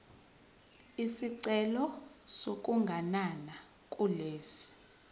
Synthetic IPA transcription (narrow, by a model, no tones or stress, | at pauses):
isiǀɛlɔsokʼuŋɡʱanana | kʼuleːsi̥